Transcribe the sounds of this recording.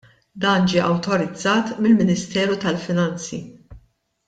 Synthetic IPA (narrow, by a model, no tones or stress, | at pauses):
d̪ɐːnd͡ʒiːʔɐwt̪ɔɾɪd͡zːɐːt̪mɪlmɪnɪst̪ɛːɾut̪ɐlfɪnɐnt͡sḭ